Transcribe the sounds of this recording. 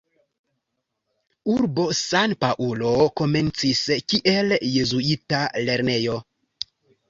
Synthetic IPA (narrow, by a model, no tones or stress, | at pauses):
uɾbo̞sanpaʔulo̞ko̞me̞nt͡siskiʔe̞lje̞zuitale̞ɾne̞jo̞